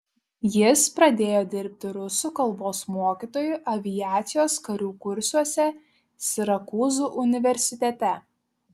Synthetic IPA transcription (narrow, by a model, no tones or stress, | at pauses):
jɪspɾɐd̪ʲeːjoːd̪ʲɪɾʲp̚ʲt̪ʲɪɾʊsuˑkɐlˠboːsmoɔkʲit̪oːjʊʔɐʋʲɪjæːt̪sʲɪjoːskɐɾʲuːkʊɾʲsʲuɔsʲɛ | sʲɪɾɐkuːzuːʔʊnʲɪʋʲɛɾʲsʲɪt̪ʲɛt̪ʲɛ